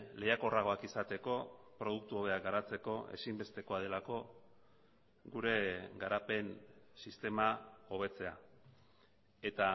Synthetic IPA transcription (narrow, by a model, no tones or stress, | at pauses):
le̞jako̞raɣ̞o̞akisat̪e̞ko̞pɾo̞ðuk̚t̪uoβe̞ak̚ɡaɾat͡se̞ko̞e̞̰simbe̞st̪e̞ko̞aðe̞lako̞ | ɡuɾe̞ɡaɾape̞nsist̪e̞mao̞β̞e̞t͡se̞a̰ | e̞t̪a